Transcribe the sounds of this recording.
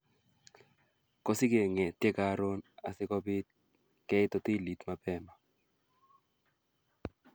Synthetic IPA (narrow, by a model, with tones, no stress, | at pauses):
kɔ˦sɪ˦ke˨ŋɛ˨tje˦ka˦ɾo˦na˨sɪ˦kɔ˦bɪ˦t̪̚ | kɛ˦ɪ˦tɔ˦ti˦li˨t̪ma˨pɛ˦ma˨